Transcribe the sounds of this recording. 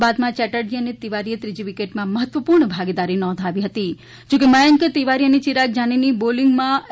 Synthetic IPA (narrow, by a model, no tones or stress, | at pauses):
bad̪mãt͡ʃɛʈəɾd͡ʒiənet̪iʋaɾijət̪ɾid͡ʒiʋikeʈmãməɦət̪ʋəpuɾɳəbʱaɡid̪aɾinɔ̃nd̪ʱaʋiɦət̪i | d͡ʒokeməjəŋkt̪iʋaɾijənit͡ʃiɾak̚d͡ʒaniniboliŋɡmã